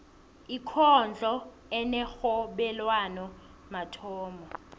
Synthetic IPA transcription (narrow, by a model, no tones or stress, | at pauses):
ikʰɔnd͡ɮʱɔ | ɛnɛxɔɓɛlwanɔ | matʰɔːmɔ